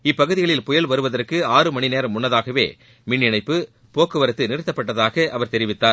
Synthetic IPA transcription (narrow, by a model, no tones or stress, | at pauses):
ɪpːɐɣɯðɪɣɐɭɪlpʊjɐlʋɐɾɯʋɐðɐrkɯaːrɯmɐɳineːɾɐmʊnːɐðaːɣɐʋḛː | mɪɳːɪnɐɪpːɯ | poːkːɯʋɐɾɐt̪ːɯnɪɾɯt̪ːɐpːɐʈːɐðaːɣɐʔɐʋɐɾt̪ɛɾɪʋɪt̪ːaːɾ